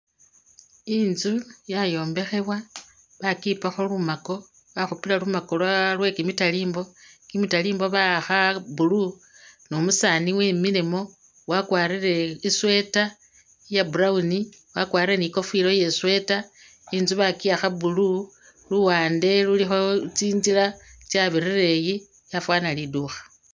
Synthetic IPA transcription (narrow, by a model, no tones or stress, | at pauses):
iːnzujajo̞ːmbe̞xe̞βwa | βakipaxo̞lumako̞ | βaxupilalumako̞lalwe̞kimitaliːmbo̞kimitaliːmbo̞βaxabulu | nomusaːniweːmilemo̞ | wakwaːɾire̞iswe̞ta | jabuɾauni | wakwaːɾiɾeniko̞filo̞je̞swe̞ta | iːnzuβakijaxabulu | luwaːnde̞lulixo̞t͡siːnzilat͡ʃjaβiɾireji | jafwaːnaliduxḁ